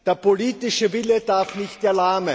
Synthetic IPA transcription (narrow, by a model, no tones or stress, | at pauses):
d̥eːɐpoliːt̪ɪʃəvɪləd̪aɐfnɪçt̚ːɐlaːmə